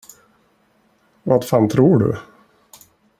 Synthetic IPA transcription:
vafaːnt̪ʰɾuːɖɵ̰

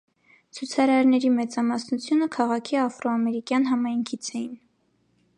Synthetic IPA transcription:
t͡sʰut͡sʰɑɾɑɾnɛɾimɛt͡sɑmɑsnut͡sʰjunəkʰɑʁɑkʰiɑfɾɔɑmɛɾikjɑn̪ɦɑmɑjŋkʰit͡sʰɛjin

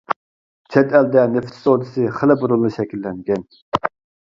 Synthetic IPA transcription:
t͡ʃʰɛt̪ɛld̪ɛnɪft̪ʰɪ̥sod̪ɨsɨχəlɪbuɾulˠːɨʃɛkʲilːɛŋɡʲɛn

